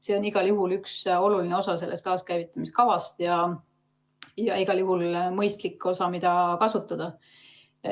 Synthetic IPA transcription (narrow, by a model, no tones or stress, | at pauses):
se̞o̞niɡ̥ɑljuɦulykso̞lulineo̞sɑse̞lʔest̪kɑːskæjvit̪ːˑɑmist̪kɑvɑst̪jɑ | jɑiɡ̥ɑljuɦulmɤjst̪likːo̞sɑmid̪̥ɑkɑsut̪ːˑɑd̪̥ɑ